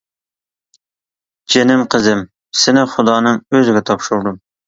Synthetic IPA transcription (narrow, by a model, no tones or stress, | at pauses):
d͡ʒenɪmqʰəzɪm | sɪnɪχʊd̪ɑːnɨŋøzɪɡʲɛt̪ʰɑpʃuɾd̪ʊm